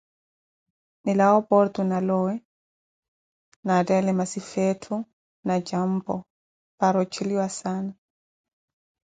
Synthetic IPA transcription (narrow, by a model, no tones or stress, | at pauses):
nilaɔpɔɾt̪unalɔwɛ | nadɛlɛmasifɛtʰu | nad͡ʒam̩pɔ | paɾɔt͡ʃʰiliwasaːna